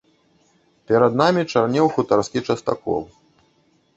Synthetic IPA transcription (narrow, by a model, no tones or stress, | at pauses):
pʲɛɾɐd̪namʲit͡ʂarnʲɛwxut̪arskʲit͡ʂɐst̪a̰kɔ̰w